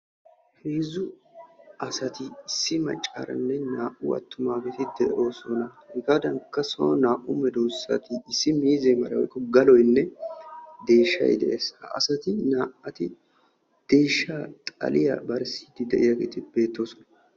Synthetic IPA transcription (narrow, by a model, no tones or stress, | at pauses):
heːzʊ | ɐsɐt̪ɪːsːɪmɐ̰t͡ʃʼːɐ̰ɾɐ̰nːɛnaːʔʊɐ̰t̪ːʊmaːfɛt̪ɪd̪ɛʔo̞ːsɔnɐ | ɪkaːd̪ɐŋkːɐso̰naːʔʊmɛd̪oːsːɐ̰t̪ɪːsːɪmiːzɛmɐɾɐwɔjkːɔɡɐlɔjnːɛ | d̪e̞ːʃːɐ̰jd̪ɛʔe̞ːshɐ̰ɐ̰sɐt̪ɪnaːʔɐt̪ɪ | d̪̥e̞ːʃːaːt̪ʼɐ̰lɪjɐ̰bɐɾsi̥d̪ɪd̪ɛʔɪjɐɡɛ̰t̪ɪbe̞ːt̪ːo̞ːsɔnɐ